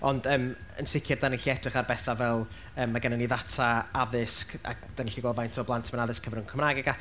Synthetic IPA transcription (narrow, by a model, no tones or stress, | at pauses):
ɔndəːmə̰nsɪkʰjɪrdanɪɬiɛdrɪχarbɛθavɛlˠ | əːmːaɡənaniðatʰaaðɪska̰k̚d̥anɪɬiɡɔlˠvajntʰɔblˠantʰmanaðɪskʰəvɪrnunkʰəmnaɡɛɡatʰ